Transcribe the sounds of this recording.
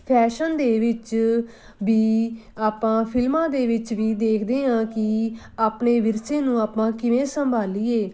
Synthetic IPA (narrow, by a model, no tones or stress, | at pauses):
pʰɛːʃənd̪eːʋɪt͡ʃ | ʋiːaːpãːpʰɪlmãːd̪eːʋɪt͡ʃʋiːd̪eːkʰd̪eːɦãːkɪ | aːpneːʋɪɾsẽːnũːaːpãːkɪʋẽːsəmbʱaːliːeː